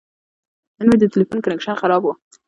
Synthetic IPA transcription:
nənwed̪ət̪ɪlifunkanekʃanxaɾɑbu

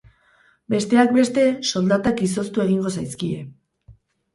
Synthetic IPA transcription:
be̞st̪e̞ak̚be̞st̪e̞so̞ld̪at̪akiso̞st̪ue̞ɣiŋɡo̞sajskie̞

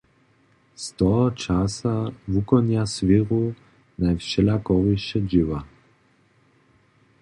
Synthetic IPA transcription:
st̪ɔt͡ʃasavukɔnjasviʁu | najfʃɛlakɔviʃt͡ʃɛd͡ʒiva

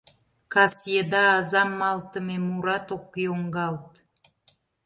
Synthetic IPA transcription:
kɑsjed̪ɑːzɑmːɑlt̪əmemuɾɑt̪okːeoŋɡɑlt̪̚

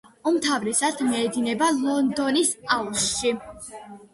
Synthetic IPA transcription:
umt̪ʰavɾɛsad̪mɛːd̪inɛbalˠɔnd̪ɔnisaulsʃi

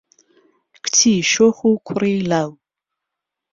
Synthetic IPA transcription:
kʷʰtʰiʃoχʷukʷʰʊriːlaw

